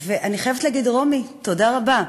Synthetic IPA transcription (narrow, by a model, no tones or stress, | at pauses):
veʔaniχajevetlaɡidʁo̞mito̞daʁaba